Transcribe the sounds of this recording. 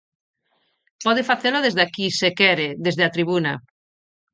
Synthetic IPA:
pɔðefaθeloðezðakisekɛɾeðezðeat̪ɾiβuna̰

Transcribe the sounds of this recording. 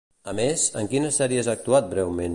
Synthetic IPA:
əmezəŋkinəsɛɾiəzaːk̚t̪uat̪̚bɾɛwmen

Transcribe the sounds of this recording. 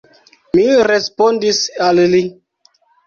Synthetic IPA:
miɾespondisalli

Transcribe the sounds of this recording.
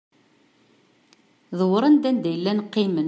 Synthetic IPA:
ðəwɾˤɑnd̪ænd̪æjəlːænqːimən

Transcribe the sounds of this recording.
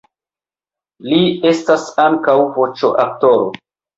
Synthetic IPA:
lie̞stasaŋkawvot͡ʃo̰ʔak̚to̞ɾo̰

